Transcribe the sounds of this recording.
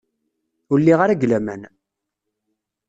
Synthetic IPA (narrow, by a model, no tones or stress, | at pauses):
ʊɾlːiʁaɾæɡlæmæn